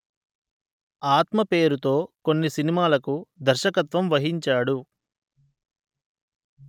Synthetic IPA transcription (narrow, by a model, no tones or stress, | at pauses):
aːt̪mɐpe̞ːɾut̪o̞ːko̞nːisinimaːlɐkud̪ɐɾʃɐkɐt̪ʋɐmʋɐɦiɲt͡ʃaːɽu